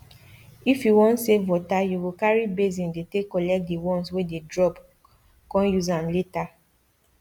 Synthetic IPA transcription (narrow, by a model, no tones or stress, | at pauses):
ifjuwɔ̃ntsevɔtajuwikaɹibezĩndetekːɔlɛk̚tdewɔ̃nswededɹɔp | kɔ̃njuzãmleta